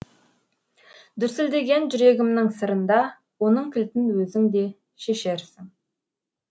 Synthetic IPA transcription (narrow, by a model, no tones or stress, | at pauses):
d̪ʏɾsɪld̪e̞ɡʲe̞nʒʏɾe̞ɡʲɪmnɪŋsəɾənd̪ɑ | wo̞nəɴkʲʰɪlt̪ɪnwɵzɪŋd̪e̞ | ʃeʃe̞ɾsɪŋ